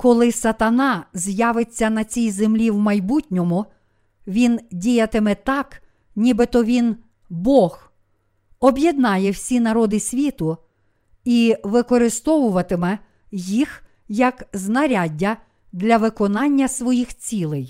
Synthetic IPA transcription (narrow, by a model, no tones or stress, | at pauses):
kɔlˠɪsɐt̪ɐnɑzʲjɑʋɪt͡sʲːɐnɐt͡sʲijzemlʲiwmɐjbutʲnʲɔmʊ | ʋʲindʲijɐt̪ɪmɛt̪ɑk | nʲibɪt̪ɔʋʲin | bɔx | ɔbjed̪nɑjɛwsʲinɐɾɔd̪ɪsʲʋʲit̪ʊ | iʋɪkɔɾɪst̪ɔʋʊʋɐt̪ɪmɛ | jix | jɐkznɐɾʲadʲːɐ | d̪lʲɐʋɪkɔnɑnʲːɐsʋɔjixt͡sʲilˠɪj